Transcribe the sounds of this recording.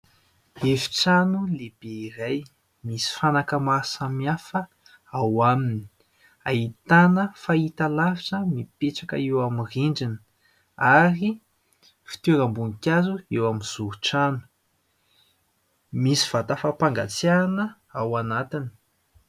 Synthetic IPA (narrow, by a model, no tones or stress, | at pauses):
evi̥ʈ͡ʂanuleb̥eiraj | misi̥fanakamasamiafə | awamini̥ | a̰it̪anəfait̪alaviʈ͡ʂəmipeʈ͡ʂakə̰ewamiriɳɖ͡ʐini̥ | aɾi | fi̥t̪uɾambunikʲazuewamiz̥uɾuʈ͡ʂanu̥ | misi̥v̥at̪afapaŋɡa̰t͡sianə | awanat̪ini̥